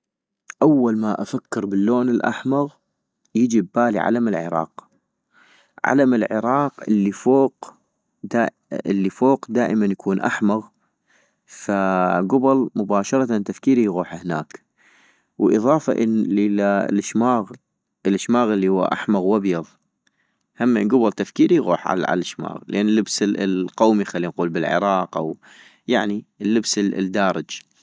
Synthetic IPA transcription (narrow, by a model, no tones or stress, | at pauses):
ʔawːalmaʔafakːɪɾbɪlːoːnɪlʔa̰ħmaɣ | jəd͡ʒɪbːaːlḭʕa̰lamɪlʕɪ̰ɾˤɑ̰ːq | ʕa̰lamɪlʕɪɾˤɑːqʔɪlːifoːq | d̪a | ɪ̰lːifoːqd̪aːʔɪmanjakʰuːnʔa̰ħmaɣ | faɡʊbɪlmʊbaːʃɑɾˤɑt̪ant̪afkiːɾijɣuːħahna̰ːk | wʔɨðˤɑːfa̰ʔə̰nilalʔɪʃmaːɣ | ʔəlʔɪʃmaːɣɪlːihʊwːa̰ʔa̰ħmaɣwabjɑðˤ | hamːʔɪnɡʊblt̪afkiːɾiɣṵːħʕa̰ʕa̰lɪʃma̰ːɣlʔanːəlːəbslqawmixalːinquːlbɪlʕɪ̰ɾˤɑːqʔa̰w | jaʕnilːəbsd̪aːɾˤɪd͡ʒ